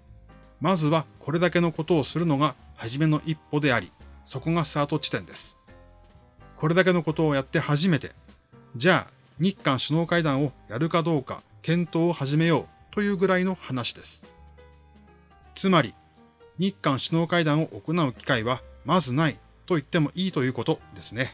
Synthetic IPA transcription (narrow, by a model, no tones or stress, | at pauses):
mazɨβako̞ɾe̞d̪ake̞no̞ko̞t̪o̞ːsɨɾɯ̟no̞ɡahaʑime̞no̞ʔipːo̞d̪e̞aɾʲḭso̞ko̞ŋasaːt̪o̞t͡ɕi̥t̪ẽ̞nd̪e̞sɨ̥ | ko̞ɾe̞d̪ak̬e̞no̞ko̞t̪o̞ːjat̪ːe̞haʑime̞t̪e̞̰ | d͡ʑaː | ɲ̟ikːãɰ̃ɕino̞ːkaid̪ãɰ̃o̞jaɾɯ̟kad̪o̞ːka̰ | kẽ̞nt̪o̞ːhaʑime̞jo̞ː | t̪o̞jɯ̟ːɡɯ̟ɾaino̞hanaɕi̥d̪e̞sɨ̥ | t͡sɨmaɾʲi | ɲ̟ikːãɰ̃ɕino̞ːkaid̪ãɰ̃o̞ʔokonaɯ̟kʲi̥kaiβamazɨnai | t̪o̞it̪ːe̞mo̞ʔiːt̪o̞jɯ̟ːko̞t̪o̞d̪e̞sɨne̞